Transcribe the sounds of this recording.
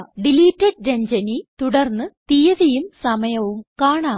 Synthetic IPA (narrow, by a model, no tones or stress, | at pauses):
ɖiliːʈːɐɖɾeɲd͡ʑɐnit̪uɽɐrnːɨt̪ijɐðɐjumsɐmɐjɐʋumkaːɳaː